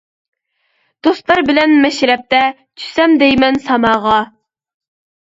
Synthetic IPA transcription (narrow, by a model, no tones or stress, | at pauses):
d̪̥ost̪lˠɑɾbɪlɛnmɛʃɾɛp̚t̪ɛ | t͡ʃʰy̥sɛmd̪ɛjmɛnsɑmɑːʁɑ